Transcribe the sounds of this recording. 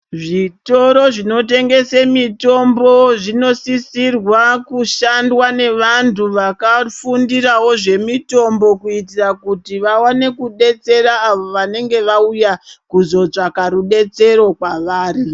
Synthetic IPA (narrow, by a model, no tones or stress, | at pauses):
ʐito̞ɾo̞ʐino̞t̬e̞ŋɡe̞semito̞mbo̞ʐino̞sisirwakuʃandwane̞ʋantuʋakafundirawo̞ʐe̞mito̞mbo̞kuitirakutiʋawane̞kuɗe̞t͡se̞ɾaːʋo̞ʋane̞ŋɡe̞ʋaujakuzo̞t͡ʂakaɾuɗe̞t͡se̞ɾo̞kwaʋaːri